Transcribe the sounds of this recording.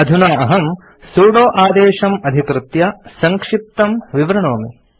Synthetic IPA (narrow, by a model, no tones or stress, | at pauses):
ɐd̪ʱunaːɐɦɐm | suːɽoːʔaːd̪eːʃɐmɐd̪ʱikɾɨt̪jɐsɐŋkʂip̚t̪ɐmʋiʋɾɐɳoːmi